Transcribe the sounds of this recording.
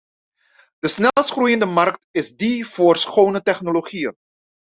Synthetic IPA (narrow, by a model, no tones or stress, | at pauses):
d̥əsnɛlˠəsχrujəndəmɑrktɪzdiv̥ʊːrsχownətɛχnoloχiən